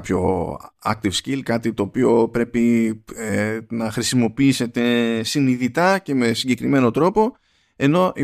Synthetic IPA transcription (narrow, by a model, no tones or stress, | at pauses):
pço̞̰ɐ̰k̚t̪ivscilkɐt̪it̪o̞ːpio̞pɾe̞pienɐxɾisimo̞piise̞t̪e̞siniðit̪ɐce̞me̞siɟe̞kɾime̞no̞t̪ɾo̞po̞ | e̞no̞ʔi